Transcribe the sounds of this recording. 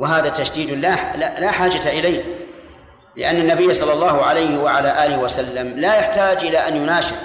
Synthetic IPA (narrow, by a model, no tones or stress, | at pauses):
wɪɦaːðat̪aʃd̪iːd̪lalalaħaːd͡ʒataʔɪlajh | lɪ̰ʔanːanːabɪjːasˤɑlːɑlˤːɑːhʊʕalajhɪwaʕalaːʔaːlɪhwasalːamlaːjaħt̪aːd͡ʒʔɪlaʔanjʊnaːʃɪb